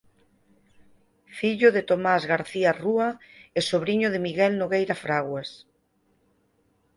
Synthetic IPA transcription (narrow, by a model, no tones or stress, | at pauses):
fiʎoðet̪omazɣaɾθiaruaesoβɾiɲoðemiɣɛlnoɣejɾafɾaɣwes